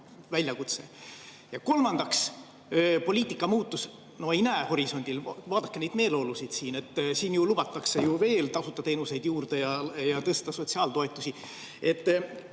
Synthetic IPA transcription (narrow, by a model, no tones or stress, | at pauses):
vælʲjɑkut̪se̞ | jɑko̞lmɑnd̪̥ɑks | po̞lʲiːt̪ːˑikːˑɑmuːt̪ːus | noeinæho̞ɾiso̞nʲd̪̥ilvɑːd̪̥ɑkːened̪me̞ːlo̞ːlusid̪̥siːne̞t̪ːsiːnjulubɑt̪ːˑɑkse̞juve̞ːlt̪ɑsut̪ːˑɑt̪e̞ːnuse̞jd̪̥juːrd̪̥e̞jɑjɑt̪ɤst̪ɑso̞t̪ʲsiɑːlt̪o̞e̞t̪ˑːusi | e̞t̪ː